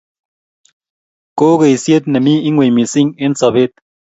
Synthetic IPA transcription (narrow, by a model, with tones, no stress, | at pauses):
ko˦ke˨i˨sje˦t̚nɛ˨mi˦i˦ŋwe˨mi˨si˦ŋe˦n̩˦sɔ˨be˦t̚